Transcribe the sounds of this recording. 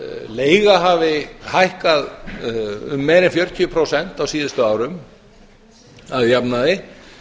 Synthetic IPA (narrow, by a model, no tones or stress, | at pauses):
leːjɣaɦavɪhajhkað | ʏ̰mːɛðɾɪnfjœɾt̪ʰiːpʰɾowsɛn̥t̪awsiːðʏst̪ʏaːwɾʏm | aðjapnaðɪ